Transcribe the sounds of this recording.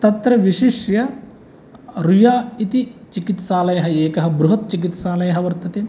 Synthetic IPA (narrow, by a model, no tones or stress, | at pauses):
t̪ɐt̪ɾɐʋiʃiʂjɐ | ɾujaːit̪it͡ʃikit̪saːlɐjɐɦɐeːkɐɦɐ̆bɾuɦɐt̪̚t͡ʃikit̪saːlɐjɐɦɐʋɐɾt̪ɐt̪eː